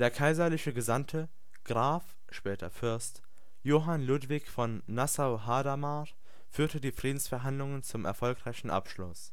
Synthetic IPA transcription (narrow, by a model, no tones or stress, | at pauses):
d̥eːɐkʰaɪzɐlɪçəɡəzamtʰə | ɡ̥ʁaːf | ʃpɛːtʰɐfʏɐst | joːɦanluːdv̥ɪçfɔnːasaʊɦaːdama | fyːɐtədiːfʁ̥iːdn̩sfɛɐɦandlʊŋənt͡sʊmɛɐfɔlkʁaɪçn̩ʔa̰pʃlʊs